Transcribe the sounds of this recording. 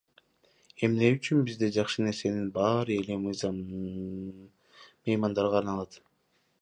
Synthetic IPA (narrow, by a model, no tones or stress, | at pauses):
e̞mne̞yt͡ʃynbizd̪ed͡ʒɑχʃɯne̞ɾse̞ninbɑɾɯe̞le̞mɯjzɑm | mɯjmɑnd̪ɑɾʁʰɑɾnɑlˠɑt̪